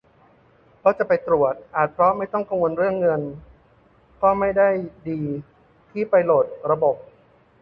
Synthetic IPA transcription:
pʰɔ˦˥˩t͡ɕa˨˩pa˧jt̪ɾu˨˩ət̪̚ʔaː˨˩t̪̚pʰɾɔ˦˥ma˥˩jt̪ɔ˥˩ŋka˧ŋwo˧nɾɯ˥˩əŋːɤ˧n | kɔː˥˩ma˥˩jda˥˩jdiː˧ | t̪ʰiː˥˩pa˧jloː˨˩t̪̚ɾa˧bo˨˩p̚

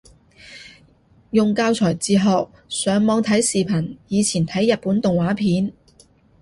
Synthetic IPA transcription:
jʊ˨ŋkaː˧wt͡sʰɔː˨˩jt͡siː˨˧ɦɔː˨k̚ | sœː˨˥ŋmɔː˨˧ŋt̪ʰɐ˨˥jsiː˨˩pʰɐ˨˩njiː˨˧t͡sʰiː˨˩nt̪ʰɐ˨˥jːɐ˨t̚puː˨˥nt̪ʊ˨ŋwaː˨˥pʰiː˨˥n

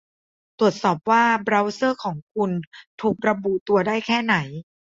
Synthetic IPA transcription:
t̪ɾu˨˩ət̪̚sɔː˨˩p̚waː˥˩bɾa˧˥wsɤː˥˩kʰɔː˩˦ŋkʰu˧nt̪ʰuː˨˩k̚ɾa˧bu˨˩t̪u˧ɐdaː˥˩jkʰɛː˥˩na˩˦j

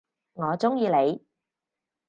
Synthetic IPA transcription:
ŋɔː˨˧t͡sʊ˥ŋjiː˧le˨˧j

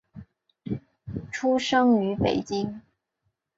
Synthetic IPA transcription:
ʈ͡ʂʰu˥ʂɤ˥ŋy˨˧˥pe˨˩ɪt͡ɕi˥ŋ

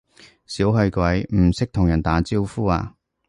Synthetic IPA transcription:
siː˨˥wɦɵ˧ɥkʷwɐ˨˥jm̩˨˩sɪ˥k̚t̪ʰʊ˨ŋjɐ˨˩nt̪aː˨˥t͡siː˥wfuː˥a̰ː˧

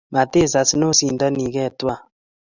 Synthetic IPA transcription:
ma˨te˦˨s̬a˨si˦no˦˨si˨n˨dɔ˦ni˨kɛ˦˨twa˦˨

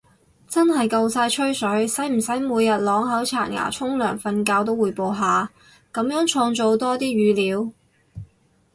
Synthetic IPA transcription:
t͡sɐ˥nɦɐ˨jkɐ˧wsaː˧jt͡ʃʰɵ˥sɵ˨˥ɥsɐ˨˥jm̩˨˩sɐ˨˥jmuː˨˧jːɐ˨t̚lɔː˨˥ŋɦɐ˨˥wt͡sʰa̰ː˨˩nŋa̰ː˨˩t͡sʰʊ˥ŋlœː˨˩ŋfɐ˧nkaː˧wt̪o˥wuː˨˩jpo˨˧wɦaː˨ | kɐ˨˧mjœː˨˥ŋt͡ʃʰɔː˧ŋt͡ʃo˨wt̪ɔː˥t̪iː˥ɥyː˨˥liː˨˥w

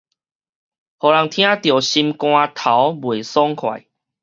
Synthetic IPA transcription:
hɔ˨˩la˨˦ŋt̪ʰj̃ã˦t̪jo˨˩ɕi˧mkw̃ã˧t̪ʰa˨˦wbwe˨˩sɔ˦ŋkʰwa̰˨˩j

